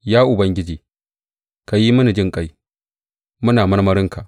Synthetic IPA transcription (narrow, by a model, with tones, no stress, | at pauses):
jaː˦ʔʊ˨bɐ˦ŋɡʲɪ˦d͡ʒeː˨ | ka˨ji˦mʊ˦ni˨d͡ʒɪ˦ŋkʼa˦j | mʊ˦naː˨mɐ˦ɽmɐ˦ɾɪ˦ŋka˨ʔ